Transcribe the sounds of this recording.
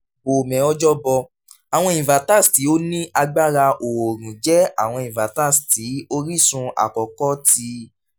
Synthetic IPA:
o˨mɛ̃˨ɔ˧d͡ʒɔ˦bɔ˧ | a˨w̃ɔ̃˧ĩ˨va˨ta˦˨sti˨˦o˦nĩ˦ʔa˧ɡ͡ba˦ɾa˧ʔo˨o˨ɾ̃ũ˨d͡ʒɛ˦a˨w̃ɔ̃˧ĩ˨va˨ta˦˨sti˨˦o˦ɾi˦˨sũ˧a̰˨kɔ˨kɔ˦ti˧˦

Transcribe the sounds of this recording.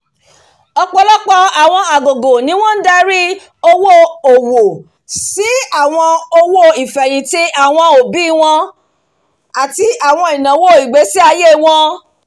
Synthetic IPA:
ɔ˧k͡pɔ˧˦lɔ˦k͡pɔ˧a˨w̃ɔ̃˧a˨ɡo˨ɡo˨nĩ˨˦w̃ɔ̃˦n̩˦da˧ɾi˦ | o˧wo˦o˨wo˨ | si˨˦a˦˨w̃ɔ̃˧o˧wo˦i˨fɛ˨j̃ĩ˨ti˦ʔa˨w̃ɔ̃˧o˨bi˨˦˧w̃ɔ̃˧ | a˨ti˧ʔa˨w̃ɔ̃˧i˨nã˨˦wo˦˨i˨ɡ͡be˨˦si˦a˧je˦˨w̃ɔ̃˧

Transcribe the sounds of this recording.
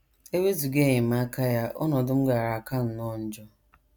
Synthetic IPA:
e˦we˦zu˨ɡe˦˨ɲɪ˨m˦a˦ka˦ja˦ʔɔ̰˦nɔ˨dʊ˦m̩˦ɡa˨ɾa˨ka˦n̩˨nɔ˦˨n̩˨d͡ʒɔ˦

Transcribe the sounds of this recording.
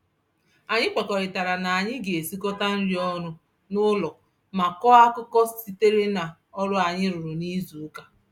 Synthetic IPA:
a˨ɲɪ˦k͡pa˨kɔ˨ɾɪ˨ta˨ɾa˨na˨a˨ɲɪ˦ɡe˨e˨si˦kɔ˦ta˦n̩˦ɾi˦ɔ˦nʊ˦ | nʊ˦lɔ˨ | ma˨kɔ˦a˦kʊ˦kɔ˦si˦te˦ɾe˦na˨ | ɔ˦ɾʊ˦a˨ɲɪ˦ɾʊ˨ɾʊ˨ni˦zu˨˦ka˦

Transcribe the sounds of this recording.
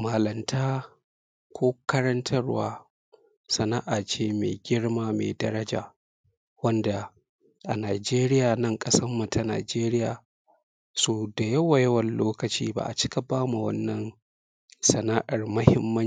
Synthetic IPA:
maː˨lɐ˨mtʰaː˦ | kʷʰoː˦kɐ˦ɾɐ˦ntʰɐ˦rwa̰ː˦ | sɐ˨na˦ʔaː˨t͡ʃeː˦mḛ˨ɡʲɪ˦ɽmaː˦meː˨dɐ˦ɾɐ˦d͡ʒa̰ː˨ | wɐ˦nda˨ | ʔa˨naː˨d͡ʒeː˦ɾɪ˦jaː˨nɐ˦ŋkʼɐ˦sɐ˦mːu˨tʰa˦na̰ː˨d͡ʒeː˦ɾɪ˦jaː˨ | soː˨da˨jɐ˦wa˨jɐ˦wɐ˨nloː˦kɐ˨t͡ʃiː˦ba̰˦˨ʔa̰˨t͡ʃɪ˦kɐ˨baː˦mu˨wɐ̰˦nːɐ˨n | sɐ˨na˦ʔa˨rmɐ˦hɪ˦mːɐ˦

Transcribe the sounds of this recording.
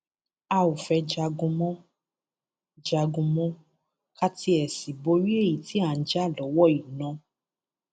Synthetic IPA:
a˧o˨fɛ˧d͡ʒa˧ɡũ˧mɔ̃˦ | d͡ʒa˧ɡũ˧mɔ̃˦ | ka˦ti˧ɛ˨si˨bo˧˦ɾi˦e˦˨ji˨ti˨˦a˦˨n̩˨d͡ʒa˦˨lɔ˨˦wɔ˦˨i˨nã˨˧

